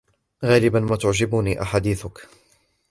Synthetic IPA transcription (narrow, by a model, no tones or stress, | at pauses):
ɣaːlɪbanmaːt̪ʊʕd͡ʒɪbuniːʔaħad̪iːθʊk